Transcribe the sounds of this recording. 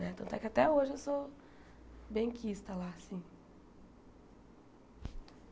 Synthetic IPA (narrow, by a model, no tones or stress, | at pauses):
nɛ̃t̪ɐ̃t̪ɛ̰kɪat̪ɛoʒɪewso | bẽj̃kist̪ɐlasĩ